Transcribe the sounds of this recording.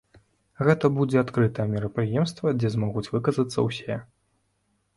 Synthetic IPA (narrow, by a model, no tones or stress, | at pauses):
ɣɛt̪ɐbud͡zʲɛat̪kɾɨt̪ɐjɛmʲɛɾɐpɾɨjɛmst̪vɐd͡zʲɛzmɔɣut͡sʲvɨkɐzɐt̪sːɐ̰wsʲɛ